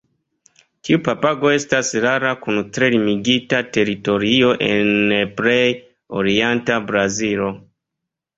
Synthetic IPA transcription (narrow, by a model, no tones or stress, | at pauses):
tiupapaɡo̞e̞stasɾaɾakuntɾe̞limiɡitate̞ɾito̞ɾio̞ʔenpɾej | oɾientabɾazilo̞